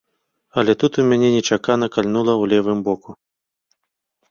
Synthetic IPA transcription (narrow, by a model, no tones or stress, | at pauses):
ɐlʲɛt̪ut̪umʲanʲɛnʲɛt͡ʂakanɐkalʲnulˠɐwlʲɛvɨmbɔku